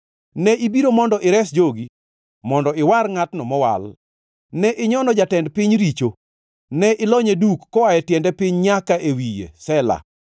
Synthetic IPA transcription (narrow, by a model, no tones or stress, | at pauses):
nɛʔibiɾomɔndɔʔɪɾɛsd͡ʒoɡi | mɔndɔɪwarŋatnɔmɔwa̰l | nɛʔɪɲɔnɔd͡ʒatɛndpɪɲɾit͡ʃo | nɛʔɪlɔɲedukːɔwajɛtjɛndɛpɪɲɲakaʔewijḛsɛla̰